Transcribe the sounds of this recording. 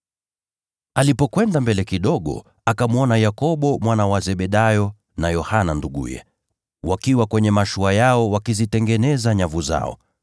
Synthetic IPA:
alipɔkwɛndambɛlɛkiɗɔɠɔ̰ | akamuɔnajakɔɓɔmwanawazɛɓɛɗajɔ | najɔhananduɠṵjɛ̰ | wakiwakwɛɲɛmaʃuajaɔwakizitɛŋɡɛnɛzaɲavuza̰ɔ̰

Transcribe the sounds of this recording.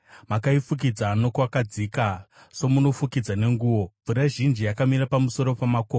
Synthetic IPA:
makaifuk̬id͡zano̞kwakad͡zika | so̞muno̞fukid͡zane̞ŋɡuːwo̞b͡vuɾaʒind͡ʒijakamiɾapamuso̞ɾo̞pamakoː

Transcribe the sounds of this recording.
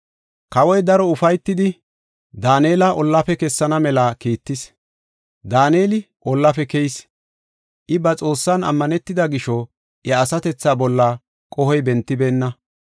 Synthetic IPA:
kɐwɔjd̪ɐɾɔʊfɐjt̪ːɪd̪ɪ | d̪aːneːlɐʔɔlːɐfɛkɛsːɐnɐmɛlɐkiːt̪ːɪs | d̪aːneːlɪ | ʔɔlːɐfɛkejs | ʔɪbɐt͡sʼo̞ːsːɐnɐ̰mːɐnɛt̪ːɪd̪ɐɡɪʃɔ | ʔɐːsɐt̪ɛt͡sːaːbɔlːa | kʼɔhɔjbɛnt̪ːɪbe̞ːnːɐ

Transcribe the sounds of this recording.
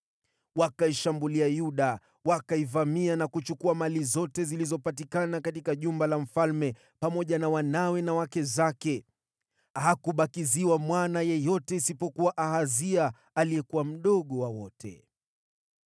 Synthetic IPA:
wakaiʃambuliajuɗa | wakaivamianakut͡ʃukuamalizɔtɛzilizɔpatikanakatikaʄumbalam̩falmɛ | pamɔʄanawanawɛnawakɛzakɛ | ɦakuɓakiziwamwanajɛjɔtɛisipɔkuwaʔahazia | aliɛkuwam̩ɗɔɠɔwawɔtʰɛ̰

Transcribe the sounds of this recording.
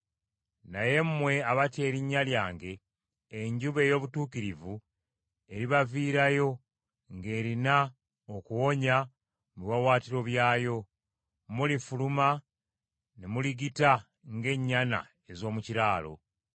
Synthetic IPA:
naje̞mmwe̞aβate̞ːɾiɲːaljaːŋɡe̞ː | ɲɟuβe̞ːjo̞ːβutuːkiɾivu | e̞ɾiβaviːɾajo̞ | ŋɡe̞ːɾina | okuwo̞ɲa | muiwawaːtiɾo̞βjaːjo̞ | mulifuluma | nemuliɡita | ŋɡe̞ɲːana̰ | ezo̞ːmuciɾaːlo̞̰

